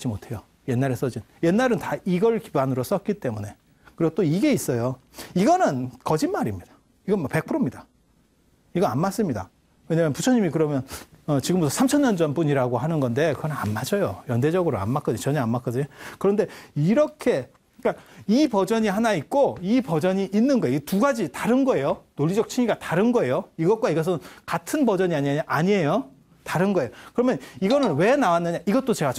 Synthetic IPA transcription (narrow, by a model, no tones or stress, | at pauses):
t͡ɕ͈imotʰe̞jo | je̞nːaɾes͈ʌd͡ʑin | je̞nːaɾɯntaiɡʌɭki̥banɯɾos͈ʌt̚k͈it͈e̞mune̞ | kɯɾiɡot͈oiɡe̞is͈ʌjo | iɡʌnɯnkʌd͡ʑinmaɾimɲid̥a | iɡʌnmakpe̞k̚pʰɯɾomɲida | iɡʌanmas͈ɯmɲida | we̞ɲamjʌnput͡ɕʰʌɲimikɯɾʌmjʌnʌt͡ɕiɡɯmbutʰʌsʰamt͡ɕʰʌnɲʌnd͡ʑʌnpuɲiɾaɡoɦanɯnɡʌnde̞kɯɡʌnɯnanmad͡ʑʌjojʌnded͡ʑʌɡɯɾoa̰nmak͈ʰʌdɯɲot͡ɕʌɲaanmak͈ʌdɯɲokɯɾʌnde̞iɾʌkʰe̞ | k͈aipʌd͡ʑʌɲihanaik̚k͈oipʌd͡ʑʌɲiʔːnːɯnɡʌeɡetuɡad͡ʑitaɾɯnɡʌe̞jonoʎːid͡ʑʌk̚t͡ɕʰiɲiɡataɾɯnɡʌe̞joiɡʌt̚k͈waiɡʌs̬ʰɯnkatʰɯnbʌd͡ʑʌɲiaɲaɲiejo | taɾɯnɡʌe̞jokɯɾʌmjʌniɡʌnɯnwe̞nawanːɯɲaʔiɡʌt͈̚ot͡ɕe̞ɡa